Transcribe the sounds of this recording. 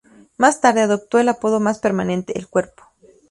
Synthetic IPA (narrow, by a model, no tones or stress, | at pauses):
mast̪aɾðeaðok̚t̪welapoðomaspeɾmanent̪eʔːlkweɾpo̥